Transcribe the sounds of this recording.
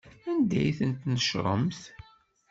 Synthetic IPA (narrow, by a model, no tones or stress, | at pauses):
ænd̪æ̰jθənt̪nəʃɾˤə̰mθ